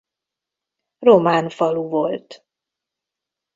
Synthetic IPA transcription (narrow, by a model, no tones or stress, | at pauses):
romaːnfɒluvolt̪